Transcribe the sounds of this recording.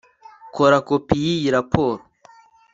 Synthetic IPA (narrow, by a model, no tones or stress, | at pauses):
kʰoɾakopijijiɾapʰoːɾo